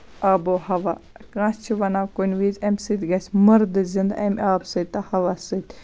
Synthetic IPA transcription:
ɐbohɐʋakãːst͡ʃʰiʋɐnawkonʲʋizʲɐmʲsɨt̪ʲɡɐsʲmɐɾd̪ɨzɨnd̪ɐ̰mʲaːbsɨt̪̚ʲt̪ɐhɐʋasɨt̪ʲ

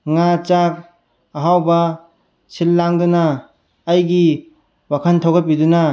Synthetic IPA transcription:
ŋat͡ʃak̚ | ɐɦawbɐ | silːaŋdunaː | jɡi | wakʰantʰawɡɐp̬iduna

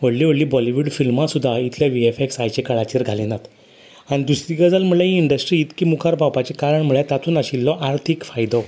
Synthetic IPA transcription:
ʋəɽliʋəɽliːbɔliʋuɖfilmasud̪ʱːait̪ʰljaʋiefeksajt͡ɕekəɭat͡ɕiːɾɡʱalinat̪ | añid̪usɾiɡəd͡zalm̤əɭlãiiɳɖəsʈɾiːt̪kiːmukʰaɾpapat͡ɕekaɾəɳm̤əɭjat̪at̪ʰuːnaɕilːɔʔaɾt̪ʰikfajd̪ɔ

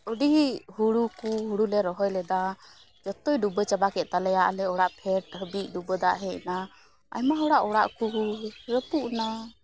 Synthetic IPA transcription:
əɖiɦuɽukuɦuɽulɛɾɔɦɔjlɛd̪a | d͡ʒɔt̪ɔjɖubət͡ʃabakɛʔt̪alɛjaʔlɛɔɽaʔpʰɛʈ̚həbiʔ̚ɖubəd̪aʔɦɛ̃ʔna | a̰jmaɦɔɽaʔɔɽaʔkuɾəpuʔna

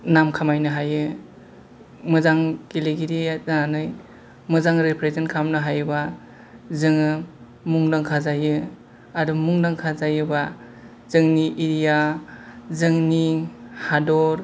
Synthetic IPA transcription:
namkʰamajnɯɦajɯ | mɯzaŋkileɡiɾizananɯj | mɯzaŋɾepʰɾezenkʰamnɯɦajba | zɯŋɯ | muŋdaŋkʰazajɯ | adumuŋdaŋkʰazajɯba | zɯŋniʔiɾija | zɯŋnihadɔɾ

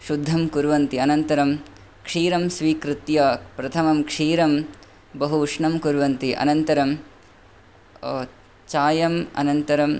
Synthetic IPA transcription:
ʃud̪ʱːɐmkuɾʋɐnt̪iɐnɐnt̪ɐɾɐm | kʂiːɾɐmsʋiːkɾɪt̪jaːpɾɐt̪ʰɐmɐmkʂiːɾɐm | bɐɦuʂɳɐmkuɾʋɐnt̪iʔɐ̰nɐnt̪ɐɾɐm | t͡ʃaːjɐmɐ̰nɐnt̪ɐɾɐm

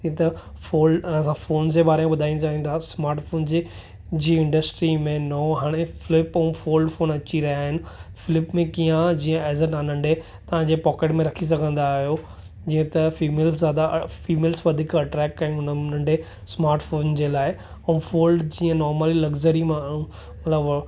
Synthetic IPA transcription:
ĩt̪ɐfoːlɖɐsãfoːnd͡ʑebaːɾemẽɓɐd̪ʱaːĩd͡ʑaːɦĩnd̪asmaːɾʈfoːnd͡ʑe | d͡ʑiːɪ̃ɳɖəsʈɾimẽnɔːɦaːɽ̃efɪlɪpɛ̃ũfoːlɖfoːnɐt͡ɕiɾɐɦijaːɦɪnɪ̆fɪlɪpmẽkiːãd͡ʑĩːə̃ɛːzəʈãːnə̃ɳɖʱe | t̪ɐʋ̤ãɲd͡ʑepɔːkeʈmẽɾɐkʰis̬ɐɡʱə̃nd̪aːɦijo | d͡ʑĩːə̃t̪ɐfiːmeːlszaːd̪afiːmeːlsʋɐd̪ʱikɐʈɾɛːkːɐĩʊnnə̃ɳɖe | smaːɾʈfoːnd͡ʑeːlaːɪ | ɛ̃ũfoːlɖd͡ʑiːə̃nɔːɾməlilɐɡd͡ʑəɾimãũ | mɐt̪ləb

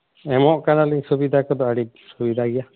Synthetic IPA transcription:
ɛmɔʔkanaliŋsubid̪ʱakɔd̪ɔəɽik̚ | subid̪ʱaɡɛja

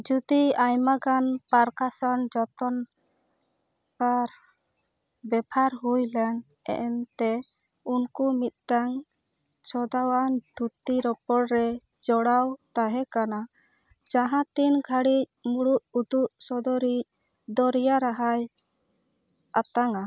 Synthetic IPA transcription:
d͡ʒud̪iajmaɡanpaɾkasɔnd͡ʒɔt̪ɔn | kaɾ | bɛbʱaɾɦujlɛn | ɛ̰ʔɛnt̪ɛ | unkumit̪̚ʈaŋ | t͡ʃʰɔd̪awand̪̥ʱut̪iɾɔpɔɽɾɛ | d͡ʒɔɽawt̪aɦɛkana | d͡ʒaɦãt̪inɡʱaɽic̚muɽuʔud̪uʔsɔd̪ɔɾic̚ | d̪ɔɾjaɾaɦaj | at̪aŋa

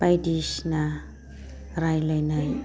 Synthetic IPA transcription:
pajdiʃna | ɾajlɔjnaj

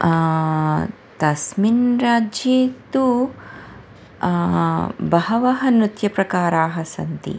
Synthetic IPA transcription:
t̪ɐsminɾaːd͡ʒjiːt̪u | bɐɦɐʋɐɦɐnɾut̪jɐpɾɐkaːɾaːɦɐsɐ̰nt̪ḭ

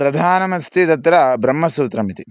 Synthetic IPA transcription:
ɾɐd̪ʱaːnɐmɐnst̪ʰit̪ɐt̪ɾɐbɾɐmːɐsuːt̪ɾɐmit̪i

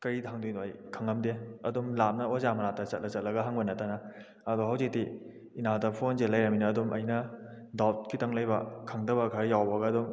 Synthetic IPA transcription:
kɐɾitʰaŋdunoɐjkʰɐŋɐmdeɐdumlap̚nɐozamɐnatɐt͡ʃɐt̚lɐt͡ʃɐt̚lɐɡɐɦaŋbɐnɐtanɐ | ɐdoɦawzik̚di | inadɐpʰonzelɐjɾɐminɐːdumʔɐ̰jnɐ | dat̚kʰitɐŋlɐjbɐkʰɐŋdɐbɐkʰɐɾjawbɐɡɐːdum

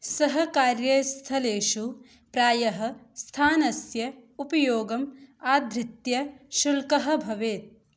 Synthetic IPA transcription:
sɐɦɐkaːɾjɐst̪ʰɐleːʃu | pɾaːjɐɦɐ̆st̪ʰaːnɐsjɐupɐjoːɡɐmaːd̪ʱɾɪt̪jɐʃulkɐɦɐ̆bʱɐʋeːt̪̚

